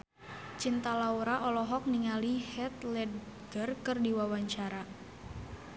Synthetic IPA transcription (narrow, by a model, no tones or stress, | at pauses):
t͡ʃint̪alauɾaʔɔlɔɦɔk̚niŋalihɛt̪̚lɛdɡərkɨrdiwawaɲt͡ʃaɾa